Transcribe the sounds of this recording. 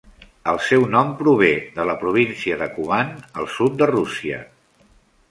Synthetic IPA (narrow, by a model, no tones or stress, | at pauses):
əlˠsɛwnɔmpɾuβ̞eðələpɾuβ̞insiəðəkuβanəlˠsut̪̚d̪ərusiə̰